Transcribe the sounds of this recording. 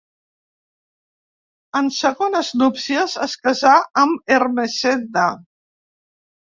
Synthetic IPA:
ənsəɣonəznupsiəzəskəzaəmermesend̪a

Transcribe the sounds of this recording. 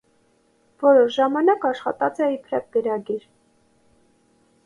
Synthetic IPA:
vɔɾɔʃʒɑmɑnɑkɑʃχɑ̰t̪ɑt͡sɛipʰɾɑk̚ɡəɾɑɡiɾ

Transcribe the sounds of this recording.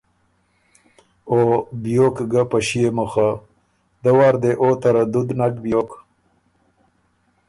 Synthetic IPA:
objokɡapaɕijemuxa | d̪əwaːɾd̪eʔot̪aɾad̪ʊd̪nakbjok

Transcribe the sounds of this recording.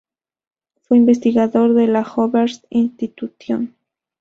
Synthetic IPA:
fweimbes̬t̪iɣaðoɾðelaxoβeɾt̪inst̪it̪uθjo̰n

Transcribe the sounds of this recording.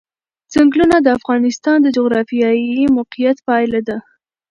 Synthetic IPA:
zaŋɡlunad̪əafɣɑnɪst̪ɑnd̪əd͡ʒoɣɾɑfijɑjimʊqijat̪pɑjlad̪a

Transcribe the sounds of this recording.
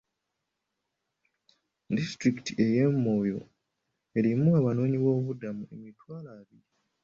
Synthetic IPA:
distɾikitiʔe̞je̞mːo̞ːjo̞̰ | e̞ɾimuaβano̞ːɲiβo̞ːβudamue̞mitwaːlaβi

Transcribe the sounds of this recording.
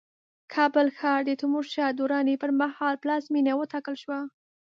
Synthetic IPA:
kʰɑbəlxɑɾd̪ət̪ʊmuɾʃɑd̪uɾɑnepəɾmahɑlplɑsminawət̪ɑkəlʃwa

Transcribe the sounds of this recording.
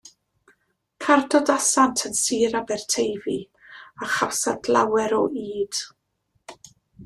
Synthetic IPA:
kʰardɔdasantʰənsiɾabɛrtʰejvi | aχawsadlˠa̰wɛɾɔʔiːd̥

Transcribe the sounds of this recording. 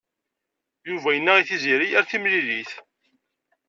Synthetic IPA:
juvæjənːæiθiziɾijæɾθimliliθ

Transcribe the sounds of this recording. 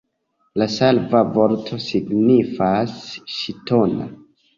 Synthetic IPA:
lasalvavo̞ɾtʰo̞siɡnifasʃitona̰

